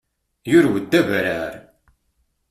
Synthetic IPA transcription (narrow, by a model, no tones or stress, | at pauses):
jʊɾwəd̪ːævɾæɾ